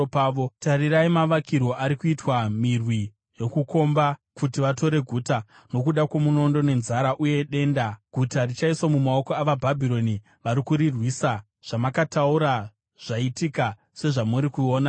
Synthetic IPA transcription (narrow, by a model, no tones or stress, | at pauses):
paːʋotaɾiɾaimaʋakirwo̞ʔaɾikuitwamirwi | jo̞kuko̞mbakutiʋato̞ɾe̞ɡʱuːta | no̞kuɗakwamuno̞ndo̞ne̞nzaɾaʔuje̞ɗe̞ndaɡ̥ʱutarit͡ʃaiswomumaokoaʋabʱabʱiɾo̞ni | ʋaɾikuɾirwiːsa | ʐ̥amakatauɾa | ʐ̥aitika | se̞ʐamuɾikuoːna